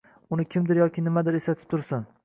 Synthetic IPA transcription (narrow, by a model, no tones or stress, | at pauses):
ʊnɪkʲʰɪmd̪ɪɾjɒkʲʰɪnɪmad̪ɪɾeslat̪ʰɪ̥p̚t̪ʰʊɾsɪn